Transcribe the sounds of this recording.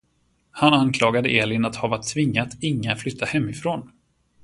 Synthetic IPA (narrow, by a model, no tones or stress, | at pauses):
hanankʰlɑːɡad̪əʔeːlɪnat̪hɑːvat̪ʰːvɪŋːat̪ɪŋːaflʏt̪ʰːahɛmːɪfɾoːn